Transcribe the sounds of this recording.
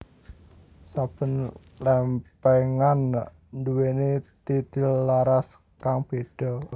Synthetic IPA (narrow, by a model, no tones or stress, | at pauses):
sab̥ə̤n | lɛmpɛŋan | duwenet̪it̪ilːaɾas | kaŋb̥ed̥ɔ̤